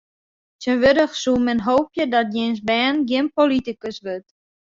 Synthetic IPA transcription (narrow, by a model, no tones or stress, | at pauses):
tənʋødəχsumɛnɦowpjədɔt̚jensbɛːnɡjɪnpolitikəsʋøt